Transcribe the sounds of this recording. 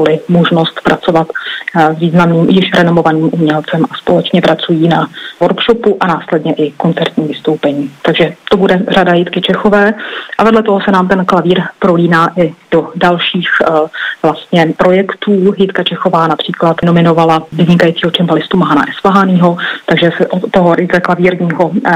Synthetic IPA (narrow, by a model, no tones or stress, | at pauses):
bolɪmoʒno̞st̪pɾʔat͡so̞vat̪zviːznamniːmjɪʃɾɛno̞mo̞vaniːmʔumɲɛlt͡sɛmʔaspolɛt͡ʃɲɛpɾat͡sujiːnavoɾkʃopuʔanaːslɛdɲɛʔɪko̞nt͡sɛɾt̪ɲiːmvɪst̪o̞wpɛɲiːt̪aɡʒɛt̪obudɛradajiːt̪kɪt͡ʃɛxo̞vɛːʔavɛdlɛt̪oɦo̞sɛnaːmt̪ɛnklaviːɾpɾoliːnaːʔɪd̥odalʃiːxvlast̪ɲɛpɾo̞jɛkt̪uːɦiːt̪kat͡ʃɛxo̞vaːnapr̥iːklat̪no̞mɪno̞valavɪzɲɪkajiːt͡siːɦot͡ʃɛmbalɪst̪umaɦana̰ʔɛsvlaɦaniːɦo̞t̪aɡʒɛsɛʔooɦoɾɪt͡sɛklaviːɾɲiːɦo̞